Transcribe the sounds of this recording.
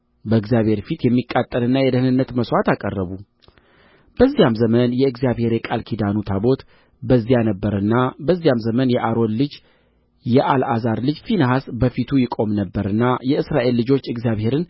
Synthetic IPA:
bəɨɡzijaβhe̞ɾfit̪jɛmːikʼːat̪ʼːəlɨnːajɛd̪əhnɨnːət̪məswat̪akʼə̰rːəβu | b̥əzːijamzəmənjɛɨɡzijaβhe̞ɾjɛkʼalkʰid̪anut̪ʰabo̞t̪ | bəzːijanəbːəɾɨnːabəzːijamzəmənjɛʔaɾo̞nlɨd͡ʒ | jɛʔalazaɾlɨd͡ʒfinaɦasbəfit̪ʰujɪkʼo̞mnəbːəɾɨnːajɛɨsɾaʔe̞lːɨd͡ʒo̞t͡ʃːɨɡzijaβhe̞ɾɨn

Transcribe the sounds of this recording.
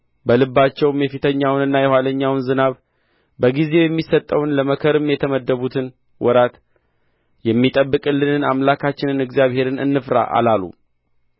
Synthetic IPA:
bəlɨbːat͡ʃːɛwmjɛfit̪ʰəɲːawnɨnːajɛhwaləɲːawnzɨnaβ | bəɡize̞wjɛmːisət̪ʼːəwnləməkʰəɾɨmjɛt̪ʰəməd̪ːəβut̪ʰɨn | wʔɔɾat̪ | jɛmːit̪ʼəbːɨkʼɨlːɨnɨnamlakʰat͡ʃːɪnɨnɨɡzijaβhe̞ɾɨnʔɨ̰nːɨfɾa̰ʔa̰lalːṵ

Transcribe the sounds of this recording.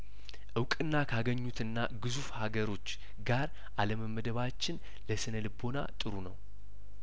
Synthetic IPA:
ʔɨwkʼɨnːakʰaɡəɲːut̪ʰɨnːaɡɨzufhaɡəɾo̞t͡ʃː | ɡaɾ | ʔaləməmːəd̪əβat͡ʃːɪn | ləsɨnəlɨbo̞na̰t̪ʼɨɾunəw

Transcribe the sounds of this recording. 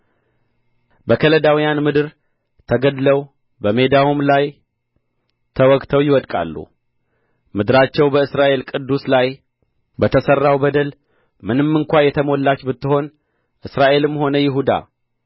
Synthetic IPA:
bəkʰələd̪awijanmɨd̪ɨɾ | t̪ʰəɡəd̪ləw | bəme̞d̪awomlaj | t̪ʰəwɔkt̪ʰəwjɪwɔd̪kʼa̰lːṵ | mɨd̪ɨɾat͡ʃːɛwbəɨsɾaʔe̞lkʼɨd̪ːuslaj | bət̪ʰəsərːawbəd̪əl | mɨnɨmːɨŋkʷajɛt̪ʰəmo̞lːat͡ʃːbɨt̪ːɨho̞n | ʔɨsɾaʔe̞lɨmːho̞nəjɪɦud̪a̰

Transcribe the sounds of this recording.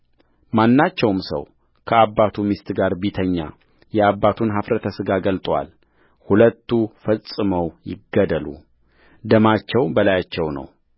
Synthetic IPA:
manːat͡ʃːɛwmsə̰w | kʰəabːat̪ʰumist̪ʰɡaɾbit̪ʰəɲːa̰ | jɛabːat̪ʰunɦafɾət̪ʰəsɨɡaɡəlt̪ʼwa̰l | hulət̪ːufəsʼɨməwjɪ̰ɡːəd̪əlṵ | d̪əmat͡ʃːɛwbəlajat͡ʃːɛwnə̰w

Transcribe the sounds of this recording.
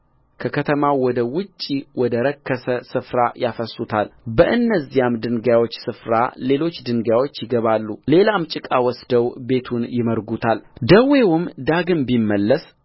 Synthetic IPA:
kʰəkʰət̪ʰəmawɔd̪əwʊt͡ʃʼːiwɔd̪əɾəkːəsəsɨfɾajafəsut̪ʰalbəʔɨnːəzːijamd̪ɨŋɡawo̞t͡ʃːsɨfɾa̰le̞lo̞t͡ʃːd̪ɨŋɡawo̞t͡ʃːjɪɡəβalːule̞lamt͡ʃʼɪkʼawɔsd̪əwbe̞t̪ʰunjɪməɾɡut̪ʰald̪əwe̞wʊmd̪aɡɨnbimːəlːəs

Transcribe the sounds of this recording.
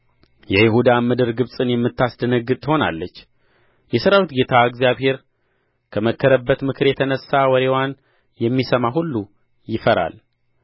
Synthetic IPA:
jɛjɪɦud̪amɨd̪ɨɾɡɨβsʼɨnjɛmːɨt̪ʰːasd̪ənəɡɨt̪ʼːɨho̞na̰lːət͡ʃː | jɛsɨɾawit̪ɡe̞t̪ʰaɨɡzjaβhe̞ɾ | kʰəməkːəɾəbːət̪mɨkʰɨɾjɛt̪ʰənəsːawɔɾewan | jɛmːisəmaɦulːu | jɪfəɾa̰l

